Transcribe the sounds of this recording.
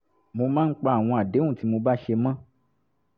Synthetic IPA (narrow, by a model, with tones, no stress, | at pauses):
mo˧mã˦n̩˦k͡pa˧˦a˨w̃ɔ̃˧a˨de˨˦ũ˦˨ti˨˦mo˧ba˦ʃe˧mã˦